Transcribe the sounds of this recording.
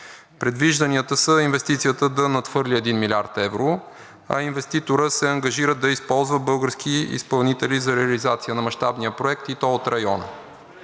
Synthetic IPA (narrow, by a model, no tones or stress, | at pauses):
pɾɛd̪viʒd̪ɐniət̪əsəinvɛst̪it̪sijət̪əd̪ɐnɐt̪fɤɾliɛd̪inmilʲaɾt̪ɛvɾo | ɐ̰invɛst̪it̪oɾəsɛɐŋɡɐʒiɾəd̪d̪ɐispɔlˠzvəbɤlˠɡəɾskʰiḭspɐlˠnit̪ɛlizɐɾɛɐlizat̪sijənɐmɐʃt̪abnijəpɾoɛk̚t̪it̪ɔot̪ɾɐjɔnə̰